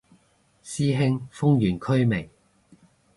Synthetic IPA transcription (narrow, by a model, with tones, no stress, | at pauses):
siː˥ɦɪ˥ŋfʊ˥ŋjyː˨˩nkʰɵ˥ɥmɪ˨˩ŋ